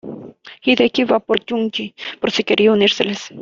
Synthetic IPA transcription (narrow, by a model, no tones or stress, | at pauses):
id̪ekiβapoɾt͡ʃuŋkipoɾsɪkeɾʔiuniɾseles